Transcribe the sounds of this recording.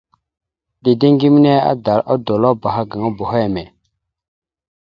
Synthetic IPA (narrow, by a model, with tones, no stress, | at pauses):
di˨de˦ŋɡi˦mi˦ne˦a̰˦da˨ɾa̰˦do˨la˦ba˨ɦa˦ɡa˨ŋa˦bo˨ɦe˦˨me˨